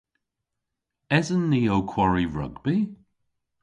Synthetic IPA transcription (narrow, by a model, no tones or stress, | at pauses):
ɛzənːiːowkʰwɔɹiɹʌ̰ɡbi